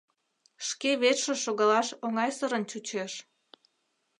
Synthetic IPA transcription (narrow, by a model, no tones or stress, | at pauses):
ʃkeβet̪ʃĕʃoɣɑlɑʃoŋɑjsəɾənt͡ɕut͡ɕeʃ